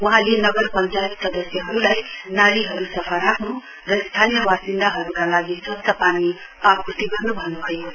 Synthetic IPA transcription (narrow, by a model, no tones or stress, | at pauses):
uɦãlienʌɡəɾpənt͡ʃajt̪sʌd̪əsjəɦʌɾulajnaɾiɦʌɾusʌpʰaɾakʰũ | ɾʌst̪ʰanijəbasind̪aɦʌɾukalaɡisʌbsəpani | akut̪ibʱʌnubʱʌnuɦəj